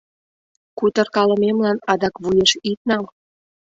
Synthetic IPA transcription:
kut̪ə̆rkɑlə̆memlɑnɑd̪ɑkβujeʃit̪̚nɑm

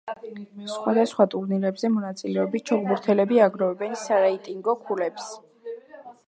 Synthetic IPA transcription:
sχwad̪asχwat̪ʼuɾniɾɛbzɛmɔnat̪sʼilɛɔbit̪̚t͡ʃʰɔɡbuɾt̪ʰɛlɛbiaɡɾɔvɛbɛnsaɾɛit̪ʼiŋɡɔkʰulɛps

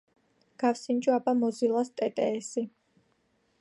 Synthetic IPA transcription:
ɡ̥afsind͡ʒʼuabamɔzilˠast̪ʼɛt̪ʼɛːsi

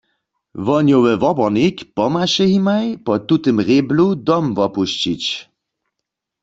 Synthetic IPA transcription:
ʋɔnjowɛʋɔbɔnikpɔmaʃɛɦimajpɔtut̪əmʁebludɔmvɔpuʃt͡ɕit͡ɕ

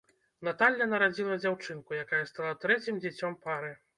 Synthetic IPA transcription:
nat̪alʲːɐnɐɾad͡zʲilˠɐd͡zʲawt͡ʂɨnkujakajɐst̪alˠat̪ɾɛt͡sʲimd͡zʲɛt͡sʲɔmpaɾɨ

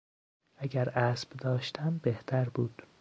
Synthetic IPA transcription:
ʔæɟæɾæːsb̥d̪ɒːʃt̪ʰæmbeht̪ʰæɾbuːd̪̥

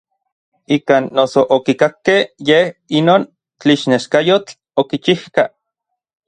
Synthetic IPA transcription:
ikaːnːosoʔokikakːehjehinoːn | t͡ɬiʃneʃkajot͡ɬ | okit͡ʃihka

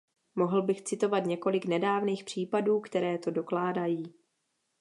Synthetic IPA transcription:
mo̞ɦl̩bɪxt͡sɪt̪o̞vat̪ɲɛko̞lɪknɛdaːvniːxpr̝̥iːpaduːkt̪ɛɾɛːt̪o̞do̞klaːdajiː

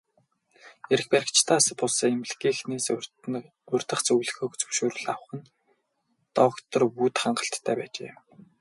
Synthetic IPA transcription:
eɾɘ̆xpæɾʲɪ̆kt͡ɕt̪ʰæːsə̆pʊɮseːemɮɡiːxneːs | ɵrʲt̪ə̆χt͡sɵwɮɘ̆xoːkt͡sɵ̥wʃoːɾɘ̆ɮaw̆χə̆n | t̪ɔwə̆kt̪ɞ̆rpuːt̪χaɴɢə̆ɬt̪ʰːæːpæːt͡ɕḛː

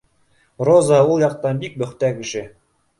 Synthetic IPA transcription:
rozaulˠjɑq̚t̪ɑnbik̚bɵ̆χt̪ækɘ̆ʃɘ

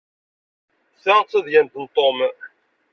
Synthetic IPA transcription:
θəʁt͡sːəðjænt̪ənt̪ˤːom

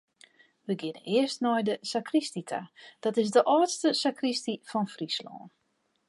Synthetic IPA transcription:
ʋəɡɪnə̰nɪəstnɔjdəsakristitʰa̰d̥ɔtɪzdəʔɔːtstəsakristifɔnfrislɔ̰ːn

